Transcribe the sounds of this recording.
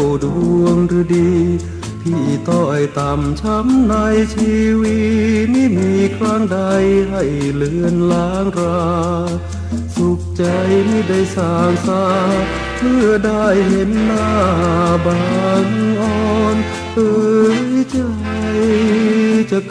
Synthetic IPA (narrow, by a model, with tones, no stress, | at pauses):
wduu˧əŋɾɯː˧˦diː˧ | pʰiː˧˩t̪ɔː˧˩ha˨˧˩jt̪aː˨˩mt͡ɕʰa˧˦˥mna˧˥jt͡ɕʰiː˧wi˧miː˧˥˨miː˧˥kʰɾaː˧˥˩ŋda˧jɦa˧˩jlɯ˧ənlaː˧˦ŋɾaː˧ | su˧˦k̚t͡ɕa˧jmiː˧˩da˧˩jsaː˧˩ŋsaː˧˦ | pʰɯ˧˩ədaː˧˩jhe˧˦nːaː˧˩baː˧˩nʔɔː˧˩n | ʔɤː˧jt͡ɕa˧ | j | t͡ɕa˧k